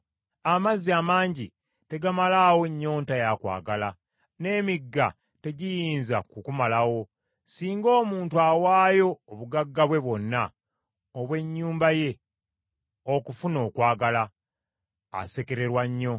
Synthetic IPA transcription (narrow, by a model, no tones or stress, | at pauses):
amaziamaːɲɟi | te̞ɡamalaːwo̞ɲːo̞ːntajakwa̰ːɡala | ne̞ːmiɡːa | te̞ɟijiːnzakukumalawo̞ | siːŋɡo̞ːmuːntwawaːjo̞ːβuɡaɡːaβwe̞βwo̞nːa | oβwe̞ɲːuːmbaje̞ | okufuno̞ːkwaːɡala̰ː | se̞ke̞ɾe̞ɾwaɲːo̞